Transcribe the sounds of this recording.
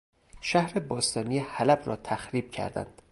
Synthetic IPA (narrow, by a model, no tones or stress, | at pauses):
ʃæhɾebɒːst̪ʰɒːnijehælæbɾɒ̰ːt̪ʰæxɾiːb̥̚cʰæ̰ɾd̪æ̰nd̪̥